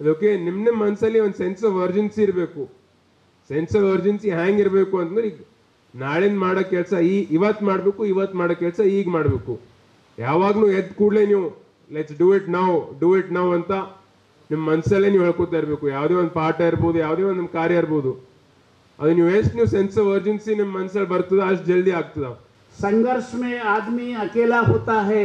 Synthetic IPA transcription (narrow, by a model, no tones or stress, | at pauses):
ɐd̪oːkenimnimɐnsɐlːiond̪sensɐʋɐɾd͡ʒensiːɾbe̞ːku | sensɐʋɐɾd͡ʒensiɦaːŋɡiɾbe̞ːkuɐnt̪ɐnd̪ɾiɡ | naːɭend̪maːɽokːɛɭsɐiːʔiʋɐt̪ːmaːɽbe̞ːkuiʋɐt̪ːmaːɽokɛɭsɐiːɡmaːɽbeːku | jaːʋaːɡnuːed̪kuːɽleniːʋu | leʈsɖuiʈnaːʋɖuiʈnɐʋɐnt̪ɐ | nimːɐmɐnsɐlːeniːʋɛɭkot̪aːiɾbeːkujaːʋd̪eːʋond̪̚paːɾʈɐiɾboːd̪ujaːʋd̪eːʋond̪nimkaːɾjɐiɾboːd̪u | ɐ̰d̪uniːʋesʈniːʋsensɐʋɐɾd͡ʒensinimːɐmɐnsɐlbɐɾt̪id̪eɐʂʈd͡ʒeld̪iaːɡ̚t̪id̪ɐ | sɐŋɡɐɾʂmeaːd̪miɐkeːlaɦoːt̪aːɦe